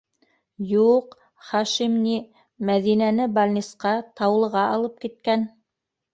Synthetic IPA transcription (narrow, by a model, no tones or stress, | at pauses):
juq | χɑʃimni | mæðinænɘbalʲnʲisqɑt̪ɑwlˠɤ̆ʁɑʔɑlˠɤp̚kit̪̚kæn